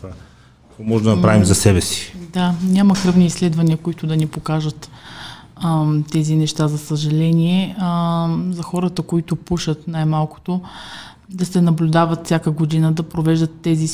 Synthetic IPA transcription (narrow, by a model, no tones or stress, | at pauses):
a | ɐkɔmɔʒd̪ɐnɐpɾavimzɐsɛbɛsi̥d̪anʲaməkɾɤvniːslɛd̪vɐniəkoit̪ʊd̪ɐnipokaʒət̪ | t̪ɛzinɛʃt̪azɐsəʒɐlɛnʲiɛ | zɐxɔɾət̪əkoit̪ʊpuʃət̪najmalˠkʊ̥t̪o | d̪ɐsɛnɐblʲʊd̪avət̪fsʲakəɡod̪inəd̪ɐpɾovɛʒd̪ət̪ːɛzi